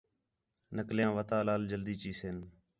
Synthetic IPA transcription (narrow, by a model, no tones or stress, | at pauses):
nəkljãːʋət̪aːlaːld͡ʒəld̪iːt͡ʃiːseːn